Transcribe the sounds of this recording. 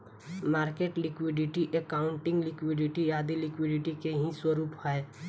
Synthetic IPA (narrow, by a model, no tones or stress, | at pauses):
maːɾkeːʈlɪkwɪɖɪʈiʔekaːʊ̃ɳʈɪ̃ŋɡlɪkwɪɖɪʈijaːd̪ilɪkwɪɖɪʈikeɦĩswəɾuːphae